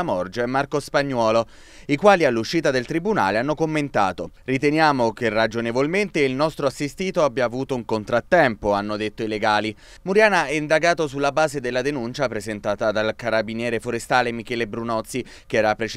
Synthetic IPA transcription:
amɔrd͡ʒoɛmːarkospaɲːɔːlo | ikwaːlialːuʃːiːt̪ad̪elt̪ɾibuna̰ːleanːokomːent̪a̰ːt̪orit̪enjaːmokerad͡ʒonevolment̪eilnɔst̪ɾoasːist̪iːt̪oabːjaːvuːt̪ouŋkont̪ɾat̪ːɛmpoanːod̪et̪ːoileɡaːli | muɾjaːnaɛind̪aɡaːt̪os̬ulːabaːzed̪elːad̪enunt͡ʃapɾezent̪aːt̪ad̪alkaɾabinjɛːɾefoɾest̪aːlemikɛːlebɾunɔt̪sːi | k̟ɛːɾapɾet͡ʃ

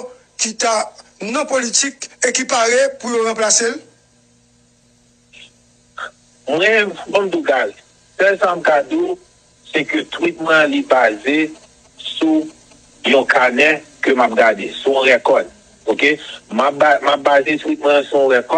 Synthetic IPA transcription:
kitanɔ̃politikekipaɣepujoʁãplasel | mwɛ̃bɔ̃mt̪ũɡaz | sɛlsam̩kadu | sɛkøt̪wit̪̚mwɛ̃libaze | su | jɔ̃kʰanɛkømap̚ɡadesũɔ̃ɣɛkɔd | okemap̚amap̚bazet̪wit̪̚mwɛ̃sũɔ̃ɣɛkɔ

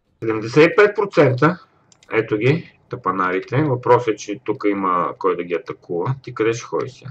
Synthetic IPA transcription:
sɛd̪ɛmd̪ɛsɛipɛt̪̚pɾot̪sɛnt̪̬ə | ɛt̪oɡʲit̪ɐpɐnaɾit̪ɛvɐpɾɔsɛt͡ʃɛt̪ukəiməkɔjd̪ɐɡʲiɐt̪ɐkʰuvɐt̪ikɐd̪ɛʃxɔjsɛ̰

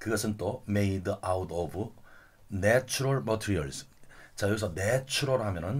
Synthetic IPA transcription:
kɯɡʌsʰɯnt͈ome̞idɯʔawutʰʌbɯ | net͡ɕʰuɾʌɭmʌtʰiɾijʌɭst͡ɕajoɡisʰʌnet͡ɕʰuɾʌɾɦamjʌnɯn

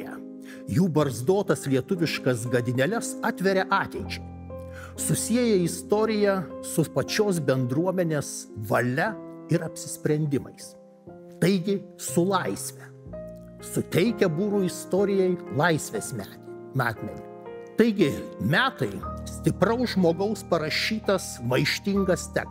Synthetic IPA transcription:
jɛ̰ | juːbɐɾzd̪oːt̪ɐslʲiɛt̪ʊʋʲɪʃkɐs̬ɡɐd̪ʲɪnʲɛlʲɛsɑːt̪ʲʋʲɛɾʲɛʔɑːt̪ʲɛɪt͡ʃʲɛɪ | sʊsʲiɛjɛist̪oːɾʲɪjɛsʊpɐt͡ʃʲoːsbʲɛnd̪ɾuɔmʲɛnʲeːsʋɐlʲɛɪɾɐpʲsʲɪsʲpʲɾʲɛnʲd̪ʲɪmɐɪs | t̪ɐɪɡʲɪsʊlˠɐɪsʲʋʲɛ | sʊt̪ʲɛɪkʲɛbuːɾuːɪst̪oːɾʲɪjɛɪlˠɐɪsʲʋʲeːsmʲæːt̪ʲi | mʲæːt̪ʲmʲɛnʲɪ | t̪ɐɪɡʲɪmʲæːt̪ɐɪsʲt̪ʲɪpɾɐʊʒmoːɡɐʊspɐɾɐʃʲiːt̪ɐsmɐɪʃʲt̪ʲɪŋɡɐst̪ʲɛ̰k

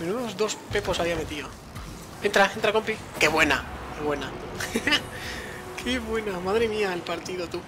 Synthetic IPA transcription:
menuðozðo̞spe̞po̞saðjamet̪io | ent̪ɾaent̪ɾakompi | ke̞βwe̞na̰keβwe̞na | kʰeβwe̞namaðɾemiaelpaɾt̪iðot̪u

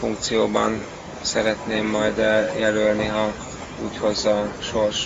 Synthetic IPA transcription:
fuŋk̚t̪sijoːbɒ̰n | sɛɾɛt̪neːmːɒjd̪jɛɾylniɦɒ | uːchozːɒʃorʃ

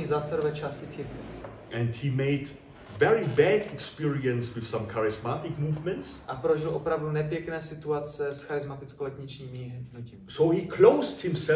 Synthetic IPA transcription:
iːzaːsaɾvɛt͡ʃaːscɪt͡siːɾkvɛ | ʔɛ̃ndhiːmeɪd | vɛɹibɛdɛkspiɹiɛ̃nswɪθsãmkʰaɹɪzmatɪkmuːvmɛ̃ntsʔapɾoʒɪlʔo̞pɾavdunɛpjɛknɛːsɪt̪uat͡sɛsxaɾɪzmat̪ɪt͡skolɛt̪ɲɪt͡ʃɲiːmiɦnocɪsohiːkʰloʊzt̚hɪ̃msɛ

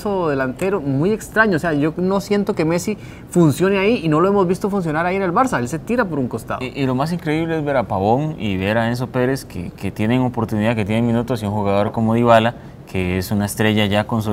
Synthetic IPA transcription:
soðe̞lant̪e̞ɾomuje̞kst̪ɾaɲooseaʝo̞no̞sje̞nt̪o̞ke̞me̞si | funsjo̞neaiino̞lo̞e̞mozbist̪ofuns̬jonaɾaienelβaɾsae̞lse̞t̪iɾapo̞ɾuŋko̞st̪a̰ðoʔilo̞mas̬iŋkɾeiβle̞ezbe̞ɾapaɣoŋiβe̞ɾaens̬ope̞ɾe̞skʰḛket̪je̞neŋo̞po̞ɾt̪uniðaket̪jeneŋmĩnut̪osiuŋxuɣaðo̞ɾko̞moðiβala | kʰeesunaest̪ɾe̞ʝaʝako̞nsu

